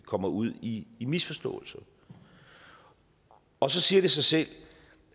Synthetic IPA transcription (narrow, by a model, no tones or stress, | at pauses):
kʰɒ̽m̰ɐuð̞̰ˠiːmisfɒ̽sd̥ɔ̰̽ːl̩sɐ | ɒ̽sɒ̽siːɐɾ̥e̝sɑ̈ɪsel̰